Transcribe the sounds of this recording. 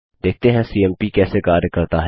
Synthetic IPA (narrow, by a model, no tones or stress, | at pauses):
d̪eːk̚t̪eɦɛ̃siːɛmpikɛːsekaːɾjəkɐɾt̪aɦɛ